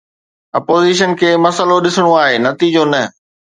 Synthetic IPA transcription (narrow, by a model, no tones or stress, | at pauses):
ɐpoːziːʃ̬ənkʰeːmɐsəloɗɪsəɽ̃oaːɦeːnɐt̪iːd͡ʑonɐ